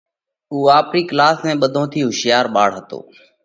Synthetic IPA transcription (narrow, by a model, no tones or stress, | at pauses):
uːaːpɾiːklaːsmɛ̃ːɓəd̪ʱõːt̪ʰiːɦʊʃɪjaːɾɓaːɽɦət̪o̰ː